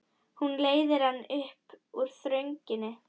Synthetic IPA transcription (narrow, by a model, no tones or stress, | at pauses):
hunleːjðɪɾ̥hanːʏhpuɾ̥θɾœɥɲcɪnːɪ